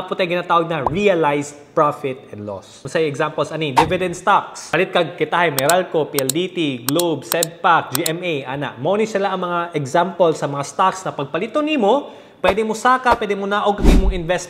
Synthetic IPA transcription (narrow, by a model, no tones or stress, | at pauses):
pʊt̪ɐŋɡɪnaːt̪aːwɐɡ̚nɐɹiɐlajs | pɹafɪt̪ɛnd̪lo̰ssɐiɛɡsampolsɐnid̪ɪvɪd̪ɛnd̪st̪aksɐlɪt̪̚kɐɡ̚kɪt̪ahajmɛɾalkopiʔɛld̪iːt̪iɡlobsɛd̪̚pak̚d͡ʒiɛmejʔaːna̰ʔmonɪsɪlaʔɐŋmɐŋaʔɛɡsampolsɐmɐŋast̪aksnɐpɐɡ̚pɐlit̪onimo | pwɛd̪ɛmosaːkɐpwɛːd̪ɪmonaːʔoɡ̚kɐd̪imoŋɪnvɛst̪